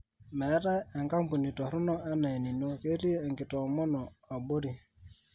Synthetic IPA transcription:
mɛ˨˦ɾa˦ɛ˨ŋka˦m˦pu˨ni˨tɔ˨ɾʊ˦nɔ˦ɛ˦na˨ni˨no˦ke˦ɾi˦ɛ˨ŋkɪ˨tɔ˨mɔ˦nɔ˨a˨bo˦ɾi˨

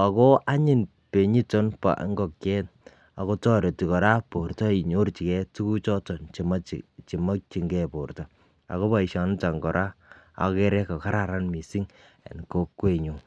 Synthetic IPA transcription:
a˨ko˦a˦ɲi˨n | pe˨ɲi˦tɔ˦npa̰˨ʔḛ˦ŋɡɔ˨kɛ˦n | a˨ko˦tɔ˦ɾe˨ti˨kɔ˨ɾa˦po˨ɾtɔ˦i˨ɲo˦ɾt͡ʃi˨kɛ˦tu˦ku˦t͡ʃɔ˦tɔ˨nt͡ʃmt͡ʃi˨mɔ˦k̚t͡ʃi˨ŋɡɛ˦po̰˨ɾtɔ˨ | a̰˨ko˦pa˦˨i˨ʃa˨nta˨ŋɡɔ˨ɾʔa˦ | a̰˨kɛ˦ɾɛ˦ka˨ka˦ɾa˨ɾa˦nmi˨si˦ŋ | a̰˨nko˦kːwe˦˨ɲu˨

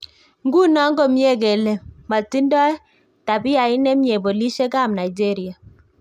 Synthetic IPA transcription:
ŋ˦ɡu˦nɔ˦ŋɡɔ˦˨mje˦˨ɡe˨le˨ma˨ti˦ndɔ˦ɛ˦ | ta˨bɪ˦a˨ɪ˦ne˦mje˨bo˨li˦ʃe˦ɡa˦˨mna˨i˨d͡ʒe˦˨ɾi˨a˨

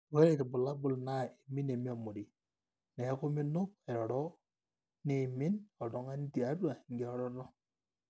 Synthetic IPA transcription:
wɛ˦ɾe˦˨tɪ˨bʊ˨la˦bʊ˦lna˦˨e˨mi˦ne˨mi˦ɔ˨mo˨ɾi˨ | nɛ˨˦kʊ˦mɪ˦nʊ˦p̚ɛ˨ɾɔ˨ɾɔ˦ | ne˨mɪ˦nɔ˨dɔ˨ŋa˦n˦ti˨a˨˦ɾwa˨ŋ̩ɡɪ˦ɾɔ˦ɾɔ˦ɾɔ˦

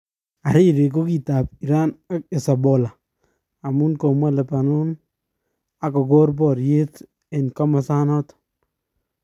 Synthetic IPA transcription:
a˨ɾi˦ɾe˨k̬o˦ki˨ta˨pi˨ɾa˦na˦k̚e˨sa˨bɔ˨laː˨ | mu˦nkɔ˨mwa˦lɛ˨pa˨nʊ˦n | a˨kɔ˨ɡɔ˦ɾbɔ˨ɾje˦t | ɛ˨nka˦ma˨sa˦nɔ˦t

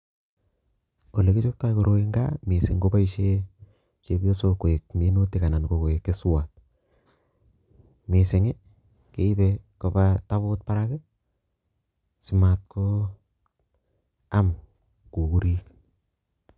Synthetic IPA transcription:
o˨le˨kɪ˦t͡ʃo˦p̚ta˦jko˨ɾʔo˦i˦ŋɡa̰˦me˨sɪ˨ŋɡo˦pa˦iʃe˦ | t͡ʃe˦pjo˦so˦ko˨e˨k̚mi˦no˦tɪ˨ka˨na˨nko˨ko˨e˨kːe˦sʊ˦wa˨t̚ | me˨sɪ˨ŋe˦ | ke˦ɪ˦beko˦pataβo˦t̚pa˦ɾakɪ˦ | sɪ˦ma˨t̚kʰo˦ | a˦m | ko˨ku˦ɾi˦k

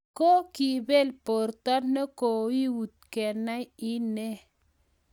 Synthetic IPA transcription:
ko˦ki˨be˦˨lpo˨ɾta˦tne˦ko˨wi˦wu˨t̪̚ke˨na˦ji˦ne˦

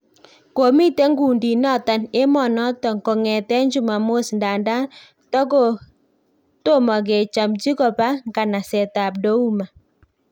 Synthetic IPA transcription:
ko˨mi˦te˦ŋɡu˨ndi˨nɔ˦ta˨ne˦mɔ˨nɔ˦tɔ˨ŋko˨ŋɛ˨tɛ˦ɲd͡ʒu˦ma˨mo˦snda˨nda˦ | tɔ˦ko˦˨ | to˦mɔ˨k̬e˨t͡ʃa˨md͡ʒi˦ko˦˨pa˦ŋɡa˨na˨sɛ˨ta˨p̚do˦u˦ma˨

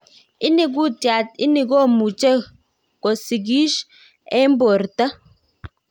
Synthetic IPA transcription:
ɪ˦ni˨ɡ̬u˦˨tja˨tɪ˦ni˨ɡɔ˦˨mu˨t͡ʃe˦ | kɔ˨si˨ɡ̬i˦ʃ | ɛ˦m˦bɔ˨ɾta˦

